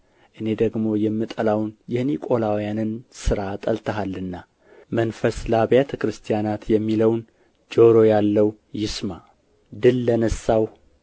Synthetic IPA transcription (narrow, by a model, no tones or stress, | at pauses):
ʔɨne̞d̪əɡmo̞jɛmːɨt̪ʼəlawnjɪhnikʼo̞lawjanɨnsɨɾat̪ʼəlt̪ʰəɦalːɨnːa | mənfəslaβjat̪ʰəkɾɨst̪ʰijanat̪jɛmːiləwn | d͡ʒo̞ɾo̞jalːəw | jɪsma | d̪ɨlːənəsːaw